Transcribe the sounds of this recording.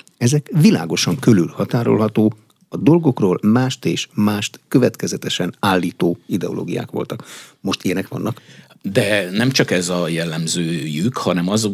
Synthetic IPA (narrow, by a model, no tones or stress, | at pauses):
ɛzɛkʋila̰ːɡo̞ʃɒŋkølylhɒt̪aːɾo̞̰lɦɒt̪oː | ɒd̪o̞lɡo̞kroːlmaːʃt̪ḛːʃmaːʃt̪kø̞vɛt̪kɛzɛt̪ɛʃɛnaːlːiːt̪oːid̪ɛolo̰ːɡija̰ːkʋo̞̰lt̪ɒkmo̞ʃt̪ijɛnɛkʋɒ̰nːʔɒk | d̪ɛnɛmt͡ʃɒkɛzɒjɛlːɛmzøːjykhɒnɛmɒzo